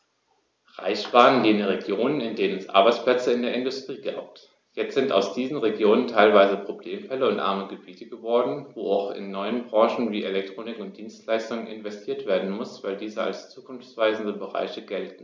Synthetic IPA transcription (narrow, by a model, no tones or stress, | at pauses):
ʁa̰ɪçb̥aːnəndeːnəʁeɡjoːnənɪndeːnənɛsʔa̰ɐbaɪt͡splɛt͡səɪndeːɐɪndʊstʁ̥iːɡa̰ːp̚t | jɛt͡stz̥ɪnta̰ʊsd̥iːzn̩ʁeɡjoːnəntʰaɪlvaɪzəpʁ̥obleːmfɛləʊntʔa̰ɐməɡəbiːtəɡəvɔɐdn̩voːaʊxɪ̰nːɔʏənbʁɑ̃ŋʃn̩viːʔelɛk̚tʁ̥oːnɪkʊnt̚d̥iːnstlaɪstʊŋənʔɪnvɛstʰiːɐtv̥eːɐdn̩mʊsv̥aɪldiːzəa̰lst͡suːkʰʊnft͡sv̥aɪzn̩dəbəʁa̰ɪçəɡɛltn̩